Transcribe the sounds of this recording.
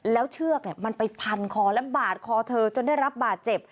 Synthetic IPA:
lɛː˦˥wt͡ɕʰɯ˥˩ək̚ni˥˩ma˧npa˧jpʰa˧nkʰɔː˧˩lɛ˦˥baː˨˩t̪̚kʰɔː˧t̪ʰɤː˧t͡ɕo˧nda˥˩jɾa˦˥p̚baː˨˩t̪̚t͡ɕe˨˩p̚

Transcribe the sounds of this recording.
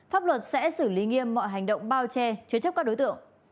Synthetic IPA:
faː˦˥p̚lwə˨˩t̚sɛ̰˧˥sɨ˧˩li˨˦ŋi˧əmːɔ̰˧˨jɦa˨˩jŋ̟ɗə̰˧˨wŋ͡mɓaː˧wt͡ɕɛ˧t͡ɕɨ˨˦ət͡ɕə˦˥p̚kaː˦˥k̚o˨˦jt̪ɨ̰˧˨əŋ

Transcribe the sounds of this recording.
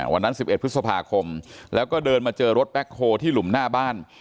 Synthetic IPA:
wa˧nːa˦˥nsi˨˩p̚ʔe˨˩t̪̚pʰɯ˦˥t̪sa˧pʰaː˧kʰo˧mlɛː˦˥wkɔː˥˩dɤː˧nmaː˧t͡ɕɤː˧ɾo˦˥t̪̚pɛ˦˥k̚hoː˧t̪ʰiː˥˩lu˩˦mnaː˥˩baː˥˩n

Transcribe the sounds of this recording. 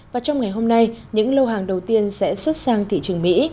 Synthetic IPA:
vaː˨˩t͡ɕɔ˧wŋ͡mŋa˨˩jɦo˧mna˧jɲɨ̰˧˥ŋlə˧wɦaː˨˩ŋɗə˨˩wt̪i˧ənsɛ̰˧˥swə˦˥t̚saː˧ŋt̪ʰḭ˧˨t͡ɕɨ˨˩əŋmḭ˧˥

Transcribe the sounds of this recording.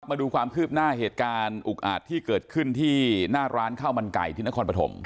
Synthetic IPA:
k̚maː˧duː˧kʰwaː˧mkʰɯː˥˩p̚naː˥˩ɦeː˨˩t̪̚kaː˧nʔu˨˩k̚ʔa̰ː˨˩t̪ʰːiː˥˩kɤː˨˩t̪̚kʰɯ˥˩nt̪ʰiː˥˩naː˥˩ɾʔaː˦˥nkʰaː˥˩wma˧nka̰˨˩jt̪ʰi˧˦na˦˥kʰːnpɾa˧t̪ʰo̰˩˦m

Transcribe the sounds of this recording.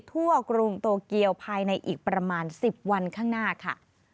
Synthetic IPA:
t̪ʰu˥˩əkɾu˧ŋt̪oː˧ki˧əwpʰaː˧jna˧jʔiː˨˩k̚pɾa˧maː˧nsi˨˩p̚wa˧nkʰaː˥˩ŋnaː˥˩kʰa̰˥˩

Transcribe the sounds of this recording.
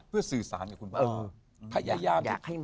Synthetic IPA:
pʰɯ˥˩ɐsɯː˨˩saː˩˦nkaː˨˩kʰu˧nː˧ | pʰa˧˩jaː˨˧˩jaː˧˩ma˨˩k̚ha˥˩j

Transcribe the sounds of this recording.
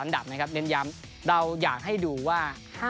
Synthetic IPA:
a˧˦nda̰˨˩p̚n˦˥kʰa˦˥p̚nɯ˧nja˧˥m | ɾa˧wjaː˨˩k̚ɦa˥˩jduː˧waː˥˩ | haː˥˩

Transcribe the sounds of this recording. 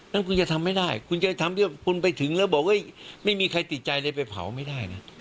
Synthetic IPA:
na˦˥˩nkʰu˧nt͡ɕa˨˩t̪ʰa˧mːa˥˩jdaː˥˩jkʰu˧nt͡ɕa˧˩t̪ʰa˧mt̪ʰɯ˥˩kʰu˧npa˧jt̪ʰɯ˩˦ŋlɛː˦˥˩wbɔː˨˩k̚ʔɤ˦˥˩jma˥˩jmiː˧kʰa˧jt̪i˨˩t̪̚t͡ɕa˧jlɤː˧jpa˧jpʰa̰˨˩˦wma˥˩jdaː˥˩jna˦˥

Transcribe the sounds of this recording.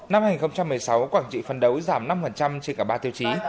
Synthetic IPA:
na˧mhaː˧˩ŋi˨˩xə˧ŋ͡mt͡ɕa˧mːɨ˨˩əjsa˨˦wkwaː˧˩ŋt͡ɕḭ˧˨fə˨˩nɗə˨˦wzaː˧˩mna˧mfə˨˩nt͡ɕa˧mt͡ɕe˧nkaː˧˩ɓaː˧t̪i˧əwt͡ɕi˨˦

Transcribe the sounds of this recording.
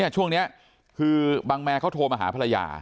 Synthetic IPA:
ɐt͡ɕʰu˥˩əŋni˦˥ɐ | kʰɯː˧baː˧ŋmɛː˧kʰa˦˥wt̪ʰoː˧maː˧ɦaː˩˦pʰa˧a˧ja̰ː˧˩

